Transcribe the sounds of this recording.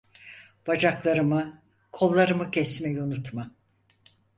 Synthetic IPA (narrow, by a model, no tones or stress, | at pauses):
b̥ad͡ʒaklˠaɾɯmɯ | kʰo̞lˠːaɾɯmɯcʰɛsmɛjɛunut̪ma